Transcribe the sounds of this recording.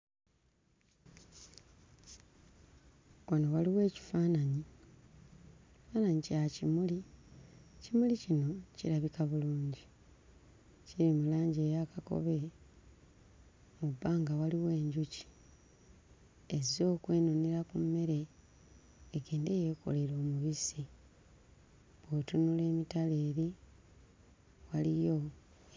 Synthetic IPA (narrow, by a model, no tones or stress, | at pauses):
onowaliwe̞ːci̥faːnaɲi | faːnaɲicacimuli | cimulicino̞ciɾaβikaβuluːɲɟi | ciɾimulaːɲɟeːjakako̞̰βe̞ | mubːaːŋɡawaliwe̞ːɲɟuci̥ | ezo̞ːkwe̞ːnoneɾakumme̞ɾe̞ | ɡe̞ːnde̞ːje̞ːko̞̰leɾo̞ːmuβisi | βwotunule̞ːmitale̞ːɾi | walijo̞